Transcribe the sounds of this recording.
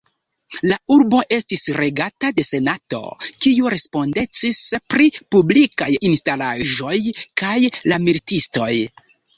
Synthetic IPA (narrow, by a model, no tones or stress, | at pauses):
lauɾbo̞ʔe̞stisɾe̞ɡatade̞se̞nato̞̰kiuɾe̞spo̞nde̞t͡sispɾipublikajinstalaʒo̞jkajlamilitisto̞j